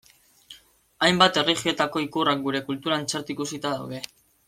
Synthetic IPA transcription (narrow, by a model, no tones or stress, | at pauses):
ajmbat̪e̞riχio̞t̪ako̞ikurak̚ɡuɾe̞kult̪uɾaːnt͡seɾt̪uikusit̪aða̰wð̞e̞